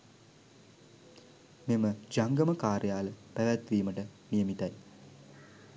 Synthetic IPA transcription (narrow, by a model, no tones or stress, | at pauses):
meməd͡ʒaŋɡəməkaːɾjaːləpæʋæt̪ʋiːməʈəmijəmit̪aj